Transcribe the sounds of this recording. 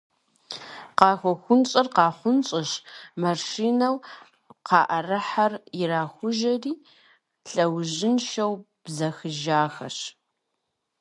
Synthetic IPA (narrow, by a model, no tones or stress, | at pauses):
qɑːxʷɔxʷʊnɕʼɐrqɑːχʷʊnɕʼɪʃmaʃiːnɐw | qɑːʔɐrɨħarjɪɾaːxʷʊʒɐriː | ɬʼɐwʑɪnʃɐw | b̥zɐxɨʒaːxɐ̰ɕ